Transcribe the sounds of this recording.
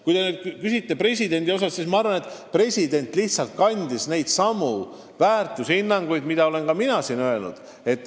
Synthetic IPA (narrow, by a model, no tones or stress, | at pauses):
kujd̪ened̪̥̚kysit̪ːepɾe̞s̬ʲid̪e̞nd̪io̞sɑsːismɑɑɾvɑnet̪ːˑpre̞sʲid̪̥e̞nʲt̪ːˑliht̪sɑlt̪̚kɑnʲd̪̥isne̞jd̪̥sɑmu | væːrt̪ːˑusinːɑŋɡ̥ujd̪mid̪̥ɑo̞le̞nkɑminɑsinø̞e̞lnṵd̪̥ | e̞t̪ːˑ